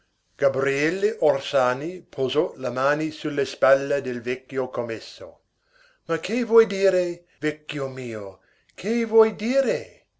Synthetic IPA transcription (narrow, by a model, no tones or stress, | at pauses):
ɡ̥abɾiɛlːeʔorsaːnipʰozɔlamaːnisulːespalːad̪elvɛkːjokomesːo̰ | makʰevwɔjd̪iːɾe | vɛkːjomiːo | kʰevwɔjd̪iːɾe